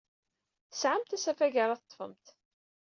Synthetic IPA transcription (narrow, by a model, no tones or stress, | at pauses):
θəsʕamt̪æsæfæʝaɾˤɑθə̥t̪ˤːfə̰mt̪